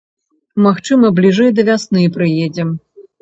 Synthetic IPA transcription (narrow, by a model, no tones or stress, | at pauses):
maxt͡ʂɨmɐblʲiʐɨjd̪ɐvʲasnɨpɾɨjed͡zʲɛm